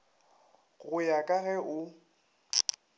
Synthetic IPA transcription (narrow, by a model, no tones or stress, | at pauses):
ɣʊjakʼaɣɛʔʊ